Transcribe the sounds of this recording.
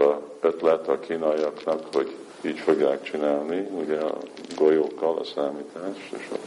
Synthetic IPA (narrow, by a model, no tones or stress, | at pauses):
ɒøt̪lɛt̪ɒkʰiːnɒjɒknɒkho̞ɟ | iːɟfo̞ɡjaːkt͡ʃinaːlniuɟɛɒ̰ɡojoːkːɒlɒ̰saːmiːt̪aːʃt̪ḛːʃɒ̰